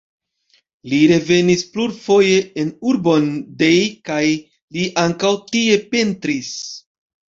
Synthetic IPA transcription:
liɾe̞ve̞nispluɾfo̞je̞enuɾbo̞nde̞jkaj | liʔaŋkawtie̞pe̞ntɾis

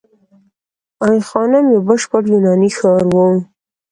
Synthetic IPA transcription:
ɑjxɑnamjebəʃpəɽjunɑnixɑɾwo

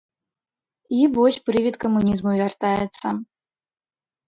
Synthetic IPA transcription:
ivɔsʲpɾɨvʲit̪kɐmunʲizmuvʲart̪ajɛt̪sɐ

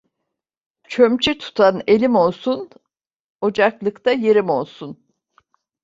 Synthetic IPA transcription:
t͡ʃʰømt͡ʃʰit̪ʰu̥t̪ʰane̞lʲimo̞lˠsun | o̞d͡ʒaklˠɯkt̪ʰajeɾimo̞lˠsun

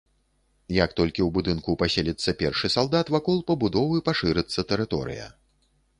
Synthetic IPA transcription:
jɐkt̪ɔlʲkʲiwbud̪ɨnkupasʲelʲit̪sːɐpʲɛrʂɨsalˠd̪at̪vakɔlˠpɐbud̪ɔvɨpaʂɨɾɨt̪sːɐt̪ɛɾɨt̪ɔ̰ɾɨ̰jɐ̰

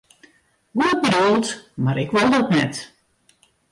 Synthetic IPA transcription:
huɔt̚bədulˠtmaɾɪkʋolˠdɔtnɛ̰t

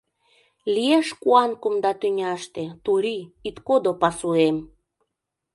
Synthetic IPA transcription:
lieʃkuɑnkumd̪ɑt̪ynʲæʃt̪ĕt̪uɾʲiit̪kod̪opɑsuem

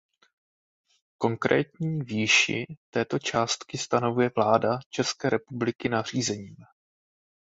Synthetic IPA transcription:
ko̞ŋkɾɛ̰ːt̪ɲiːviːʃɪ̰t̪ɛːt̪o̞t͡ʃaːst̪kɪst̪ano̞vujɛvlaːdat͡ʃɛskɛːɾɛpublɪkɪnar̝iːzɛɲiːm

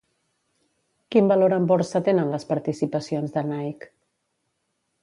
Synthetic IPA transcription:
kimbəloɾəmbɔɾsət̪enənləspəɾt̪isipəsionzðənajk

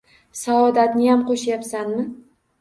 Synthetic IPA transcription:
saɒd̪at̪nɪjamqʰoʃajapsanmɪ

